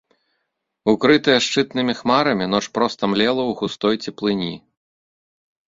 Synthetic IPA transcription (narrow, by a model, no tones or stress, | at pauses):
ukɾɨt̪ɨjɛʂt͡ʂɨt̪nɨmʲixmaɾɐmʲin̪ɔt͡ʂpɾɔst̪ɐmlʲɛlˠɐwɣust̪ɔjt͡sʲɛplˠɨnʲi